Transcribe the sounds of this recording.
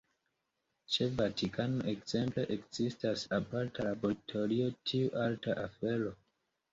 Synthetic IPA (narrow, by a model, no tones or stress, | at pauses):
t͡ʃe̞vatikʰano̞ʔe̞kz̥e̞mple̞ʔekz̥istasapaɾtalaboɾtʰo̞ɾio̞tʰiuʔaltaʔafe̞ɾo̞